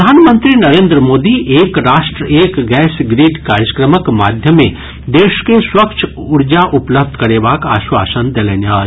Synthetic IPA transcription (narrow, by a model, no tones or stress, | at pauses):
d̪ʱaːnmə̃nt̪ɾinɐɾẽːnd̪ɾəmoːd̪iʔeːkɾaːʃʈɾəeːkɡɛːsɡɾiːɖkaːɾjəkɾəməkmaːd̪ʱjəmẽ | d̪eːʃkeswɐkt͡ʃʰ | ʊɾd͡ʒaʔʊpləb̚d̪ʱkɐɾebaːka̰ːʃwaːsənd̪eleːnjaː